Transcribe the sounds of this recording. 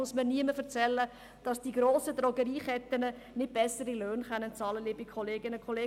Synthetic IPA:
ʊsməniəməfəɾt͡sɛlːə | d̥ɑsd̥iɡɾoːsədɾɔɡəɾiːχɛt̪ːənə | nɪt̚b̥ɛsəɾiløːnχœnːənt͡sɑːləlɪbikʰχɔleːɡɪnəkʰχɔleː

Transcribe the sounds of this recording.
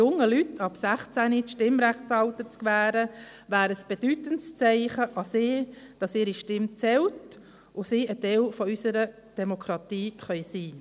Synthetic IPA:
jʊŋəlytʰɑpsæχt͡sæniʃtɪmɾæχtsɑlt̪ət͡skʋæːɾə | væːɾəsb̥ed̥ytənst͡sɛɪχəʔɑsɪːd̥ɑsɪːɾiʃtɪmt͡sɛlt | ʔʊsiːətɛlfɔysəɾə | d̥ɛmokʰɾɑt̪iːχœʏsiː

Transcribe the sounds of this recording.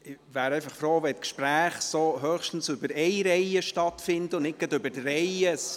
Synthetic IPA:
ɪʋæːɾɛɪfɑχfɾoːʋɛt̪kʃpɾæːχsoɦœχʃtn̩sʉbəɾɛjɾɛjəʃtɑtfɪnd̪əʊnnɪk̚ɡɑd̪ʏbətrɛɪəs

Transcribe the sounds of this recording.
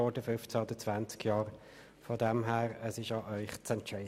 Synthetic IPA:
ɔdəfʏft͡sæɔd̥̪ət͡svænt͡skjɑːʁ | fɔdɛmɦæːʁəsɪʃɑʔœʏχt͡sɛntɛ

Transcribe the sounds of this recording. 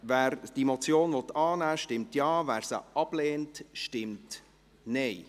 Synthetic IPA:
væːɾd̥imɔt͡sjoːnvɔt̪ːɑːnæːʃtɪmtjɑːvæːɾsə̰ʔɑb̥lɛːntʃtɪmt | nɛɪ

